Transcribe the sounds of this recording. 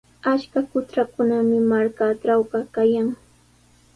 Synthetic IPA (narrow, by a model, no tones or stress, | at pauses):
at͡ʃkakʊt͡ʃɾakʊnamɪmaɾkaʈ͡ʂawɢɑkajaŋ